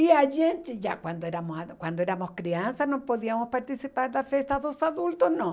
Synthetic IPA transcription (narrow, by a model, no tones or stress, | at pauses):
iaʒent̪eʝa̰kwand̪oeɾamoskwand̪oeɾamoskɾiansanõpoðiamospaɾt̪isipaɾðafest̪aðosaðult̪osnõ